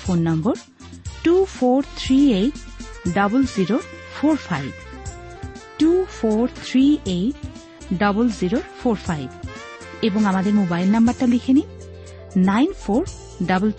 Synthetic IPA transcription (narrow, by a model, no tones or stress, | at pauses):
pʰonːɔmbɔɹ | tupʰɔɹt̪ʰɹiej | dɔblziɹo | pʰɔɹpʰajb | tupʰɔɹt̪ʰɹiej | dɔblziɹopʰɔɹpʰajb | ebɔŋamadɛɹmobajlnambaɹtalikʰini | najnpʰɔɹ | dablt